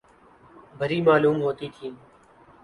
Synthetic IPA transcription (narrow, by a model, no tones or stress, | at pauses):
bʱəɾiːmaːluːmɦoːt̪iːt̪ʰiː